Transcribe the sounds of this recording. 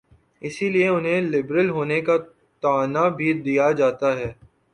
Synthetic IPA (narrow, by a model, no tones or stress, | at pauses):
ɪsilieʊnɦẽlɪbɾəlɦoːneka | t̪aːnabʱid̪ijad͡ʒaːt̪aɦɛː